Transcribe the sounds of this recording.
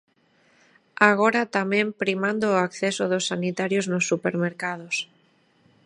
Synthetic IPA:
aɣ̞oɾat̪amẽmpɾimãnd̪oːakθesoðosːanit̪aɾjoznosːupeɾmeɾkað̞os

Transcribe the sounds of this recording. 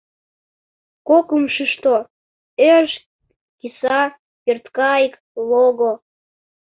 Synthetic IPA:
kokəmʃəʃt̪o | erʃ | kisɑ | pert̪kɑik | loɣo

